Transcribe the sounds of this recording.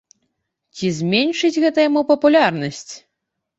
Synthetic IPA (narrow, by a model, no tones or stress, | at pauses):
t͡sʲizʲmʲenʲʂɨd͡zʲɣɛt̪ɐjamupɐpulʲarnɐsʲt͡sʲ